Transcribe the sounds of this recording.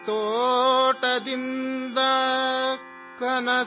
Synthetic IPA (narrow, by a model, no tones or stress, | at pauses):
t̪o | ʈɐd̪ind̪ɐ | kɐnɐ